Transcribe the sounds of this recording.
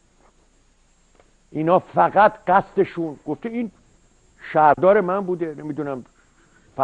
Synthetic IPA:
ʔinhɒːfæɡæt̪ɢæst̪eʃunɡ̥oft̪ein | ʃæɾd̪ɒːɾe̞mænbuːd̪enemid̪unæm | fæ

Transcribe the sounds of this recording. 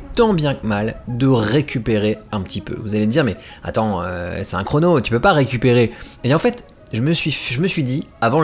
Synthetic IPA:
t̪ɑ̃bjɛ̃kmald̪əʁekʲypeʁeɛ̃pət̪ipø̰vuzaleməd̪iʁmɛa̰t̪ɑ̃øsɛ̥t̪ɛ̰̃kχonot̪y̥pøpaʁekʲypeʁeeɑ̃fɛt̪ | ʒəməsɥifʒəməsɥid̪iavɑ̃

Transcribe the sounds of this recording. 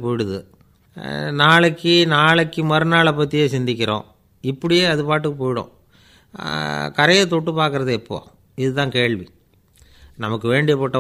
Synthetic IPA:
poːjɪɽɯðɯ̰ | naːɭɛkːɯnaːɭɐkːɯmɐɾɯnaːɭɐpːɐt̪ːɪjeːsɪnd̪ɪk̬ʲːɪɾõ̰ː | ɪpːɐɽɪjeːɐðɯpaːʈ̬ːɯkːɯpoːjɪɽõ̰ː | kɐɾɐjɐt̪ɔʈːɯpaːɾkɯɾɐðɯɛpːo̰ː | ɪðɯt̪ãːkeːɭʋi | nɐmɐkːɯʋeːɳɖɪjɐpɔʈːɐ

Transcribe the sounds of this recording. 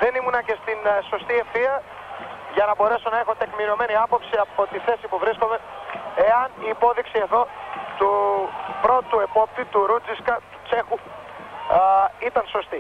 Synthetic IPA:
ðe̞nimunɐce̞st̪inso̞st̪ie̞fθiɐ | ʝɐnɐbo̞ɾe̞so̞nɐe̞xo̞t̪e̞kmiɾio̞me̞niɐpo̞psiɐpo̞t̪iθe̞sipuvɾisko̞mee̞ɐniːpo̞ðiksie̞ðo̞t̪upɾo̞t̪uepo̞p̚t̪it̪uɾud͡ziskɐt̪u̥t͡se̞xu | it̪ɐnso̞st̪i

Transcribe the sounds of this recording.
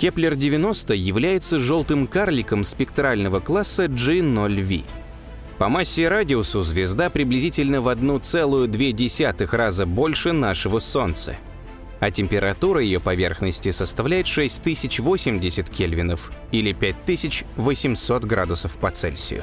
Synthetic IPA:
kʲeplʲɪrdʲɪvʲɪno̞st̪əjɪvlʲæjɪt̪səʐo̞lˠt̪ɨmkarlʲɪkəmspʲɪk̚t̪ɾalʲnəvəklˠasːəʐɨnolʲvʲḭ | pɐmasʲːɪɾadʲɪʊsʊzvʲɪzd̪apɾʲɪblʲɪzʲitʲɪlʲnəvɐd̪nut̪sɛlˠʊjʊd̪vʲedʲɪsʲat̪ɨxrazəbo̞lʲʂɨnaʂɨvəso̞nt̪sə̰ | ɐtʲɪmʲpʲɪɾɐt̪uɾəjɪjopɐvʲe̞̰rxnəsʲtʲɪsəst̪ɐvlʲæjɪt̪ʂɛsʲtʲt̪ɨsʲɪt͡ɕvo̞sʲɪmdʲɪsʲɪt̪kʲelʲvʲɪnəfilʲɪpʲæt̚ʲt̪ɨsʲɪt͡ɕvəsʲɪmsot̪ɡɾa̰d̪ʊsəfpɐt̪sɛ̰lʲsʲɪ̰jʊ̰

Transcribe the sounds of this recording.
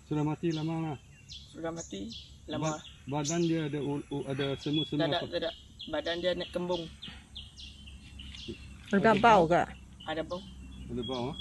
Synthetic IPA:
suɾamat̪ilamalah | sudamat̪i | lababadandiaːdaadasəmuəsəmaaadaʔ | badandianaʔkəmbʊŋ | əɡapawka̰ʔ | adabawadabawa

